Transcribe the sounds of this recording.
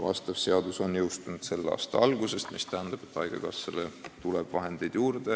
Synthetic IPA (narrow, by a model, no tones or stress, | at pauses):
vɑ̰st̪ɑvse̞ɑd̪uso̞njɤwst̪unud̪̥se̞lːɑ̰ːst̪ɑ̰ɑlɡ̥use̞st̪mist̪æɦænd̪̥ɑb̥e̞t̪ˑːɑjɡ̥ḛkɑsːelet̪uleb̥vɑɦe̞nd̪̥e̞jd̪̥juːrd̪̥e̞